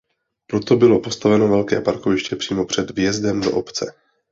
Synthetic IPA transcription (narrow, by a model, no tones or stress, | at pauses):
pɾo̞t̪o̞bɪlo̞po̞st̪avɛno̞vɛlkɛːpaɾkovɪʃcɛpr̥iːmo̞pr̝̥ɛd̪vjɛzdɛmdo̞ʔopt͡sɛ